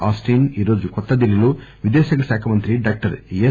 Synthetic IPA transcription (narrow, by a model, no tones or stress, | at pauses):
aːsʈiːniːɾo̞ːd͡ʒukɔt̪ːɐd̪iɾiluʋid̪eːsɐɡɐsaːkʰɐmɐnt̪ɾiɖaːk̚ʈɐɾje